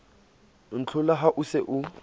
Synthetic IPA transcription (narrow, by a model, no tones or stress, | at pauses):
n̩t͡ɬʰʊlaɦaʔʊsɪʔʊ